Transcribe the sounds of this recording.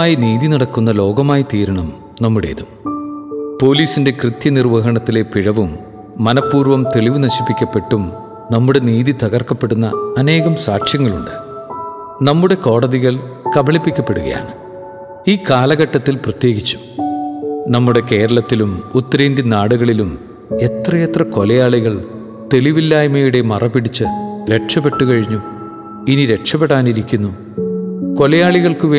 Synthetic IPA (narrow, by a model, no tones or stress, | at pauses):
aːjiniːðinɐɽɐkːunːɐlo̞ːɡɐmaːjit̪iːɾɐɳɐm | nɐmːuɽḛðum | po̞ːliːsinde̞krɨt̪jɐnirʋɐɦɐɳɐt̪ːile̞piɻɐʋumː | ɐnɐpːuːrʋɐmt̪e̞ɭiʋɨnɐɕi̥pːikʲːɐpːe̞ʈːum | nɐmːuɽe̞niːðit̪ɐɣɐrkɐpːe̞ɽunːɐːne̞ːɣɐmsaːʈʂjɐŋːɐɭuɳɖɨ | nɐmːuɽe̞ko̞ːɽɐðiɣɐɭkɐbɐɭipːikʲːɐpːe̞ɽuɣɐ̰ja̰ːɳɨ | iːkaːlɐɣɐʈːɐt̪ːilprɐt̪je̞ːɡit͡ɕːu̥ | nɐmːuɽe̞ke̞ːɾɐɭɐt̪ːilumut̪ːɐɾeːnd̪inaːɽuɣɐɭilum | e̞t̪rɐjet̪rɐko̞lɐjaːɭiɣɐɭ | t̪e̞liʋilːaːjmɐjuɽe̞mɐrɐpiɽit͡ɕːɨɾe̞ʈʂɐpe̞ʈːukɐɻiɲːu | iniɾe̞ʈʂɐpeɽaːniɾikʲːunːu | ko̞lɐjaːɭiɣɐɭkɨʋeː